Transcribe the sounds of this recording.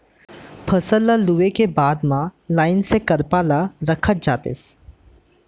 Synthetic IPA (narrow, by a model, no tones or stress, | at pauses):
pʰəsəlːaluʋekebaːd̪mãlaːɪnsekəɾpaːlaɾəkʰət̪̚d͡ʒaːt̪ḛːs